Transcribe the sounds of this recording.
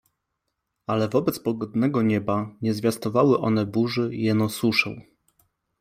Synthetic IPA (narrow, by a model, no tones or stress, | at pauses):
alɛvɔbɛt̪spɔɡɔd̪nɛɡɔɲɛbaɲɛzvʲjast̪ɔvawɘʔɔn̪ɛbuʐɘjɛnɔsuʂɛ̰w